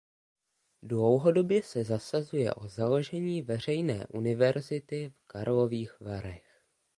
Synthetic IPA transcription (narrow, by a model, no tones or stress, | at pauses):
dlo̞wɦo̞do̞bjɛsɛzasazujɛ̰ʔo̞zalo̞ʒɛɲiːvɛr̝ɛjnɛ̰ːʔunɪvɛɾzɪt̪ɪfkaɾlo̞viːxvaɾɛx